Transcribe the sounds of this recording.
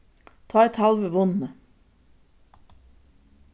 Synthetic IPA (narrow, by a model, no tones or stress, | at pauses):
t̪ʰɑːɛt̪hɑlʋəʋʊnə